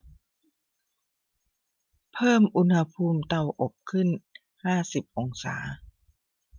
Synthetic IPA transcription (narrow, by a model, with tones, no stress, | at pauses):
pʰɤː˥˩mʔu˧nha˧pʰuː˧mt̪a˧˩wʔo˨˩p̚kʰɯ˥˩n | haː˥˩si˨˩p̚ʔo˧ŋsa̰ː˩˦